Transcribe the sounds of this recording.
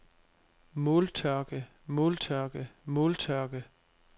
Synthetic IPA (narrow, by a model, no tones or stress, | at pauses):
molt͡sʰœɐɡ̥ə | moːlt͡sʰœɐɡ̥əmoːlt͡sʰœɐɡ̥ə